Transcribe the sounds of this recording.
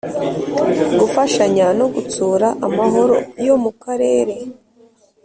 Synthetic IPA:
ɡufaʃaɲano̞ɡut͡suːɾaʔamaɦo̞ɾo̞̰jo̞mukaɾe̞ːɾe̞

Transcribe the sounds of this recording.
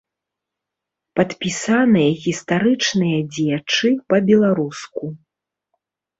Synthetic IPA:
pɐt̪pʲisanɨjɐɣʲist̪aɾɨt͡ʂnɨjɐd͡zʲjat͡ʂɨpɐbʲɛlˠaɾusku

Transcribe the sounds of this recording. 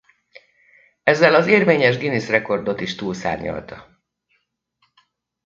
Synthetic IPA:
ɛzːɛlɒzeːrveːɲɛʒɡinisrɛko̞rd̪o̞t̪iʃt̪uːlsa̰ːɲɲɒ̰lt̪ɒ

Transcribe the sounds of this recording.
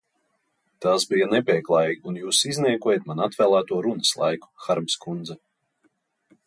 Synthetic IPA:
t̪asbijanɛpʲiɛklˠaːjunjuːsizʲniɛkuɔjet̪manat̪vɛːlˠaːt̪uɔɾunəslˠa̰jku̥xaɾmskund̪zɛ

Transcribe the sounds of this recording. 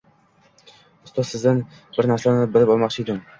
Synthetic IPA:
ʊst̪ɒzsɪzd̪ɪn | bɪɾnaɾsanɪbɪlɪpɒlˠmɒqt͡ʃʰɪjd̪ɪm

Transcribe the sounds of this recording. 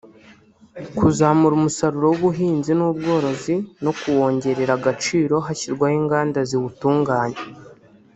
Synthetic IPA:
kuzamuɾumusaɾuɾo̞wuβuɦiːnzinubɡo̞ːɾo̞zino̞kuwo̞ːɲɟe̞ɾe̞ɾaɡat͡ʃiːɾo̞ɦaçiɾɡwahiːŋɡaːndaziβutuːŋɡaːɲe

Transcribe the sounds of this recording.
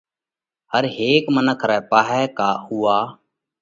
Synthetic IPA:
həɾɦeːkmənəkʰɾɛːpaːɦɛːkaːhʊːaː

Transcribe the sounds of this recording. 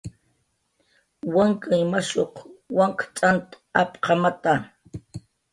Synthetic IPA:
waŋkajmaʃoqwaŋkt͡sʼant̪ | apqʰɑmat̪a

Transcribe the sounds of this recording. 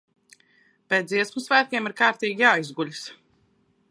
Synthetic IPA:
pet̪iɛsmusvæːt̪̚ʲkʲeɛmiɾkaːɾt̪iːɡʲijaːizɡulʲis

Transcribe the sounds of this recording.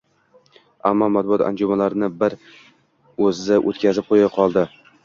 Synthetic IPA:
amːɒmat̪̚bʊɒt̪a̰nd͡ʒʊmalaɾɪnɪbɪɾ | ɵzɪːaʔot̪kʲazɪp̚qʰojaqʰɒlˠd̪ɪ

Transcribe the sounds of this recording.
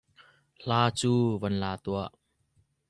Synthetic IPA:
l̥aːt͡suːvɐnlaːt̪uəʔ

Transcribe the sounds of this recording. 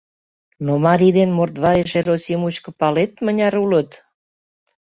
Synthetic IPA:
nomɑɾʲid̪enmort̪βɑjeʃeɾosʲimut͡ɕkə̆pɑlet̪mənʲɑɾulət̪

